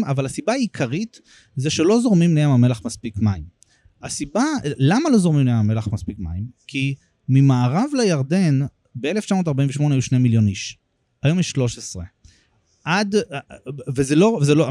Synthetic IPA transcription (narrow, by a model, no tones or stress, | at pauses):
mavalhasibaːaikʰaʁit | zeʃe̞lo̞zo̞ʁmimlejamame̞laχmaspikmaim | asibalamalo̞zo̞ʁmimlejamame̞laχmaspikma̰imkʰi | mimaːʁavlejaʁde̞n | bee̞left͡ʃamoːt̪aʁbaĩveʃmo̞nejuʃnemiljo̞niʃ | ajo̞mjɛʃlo̞ʃesʁe̞ | ʔad | vezelovzelo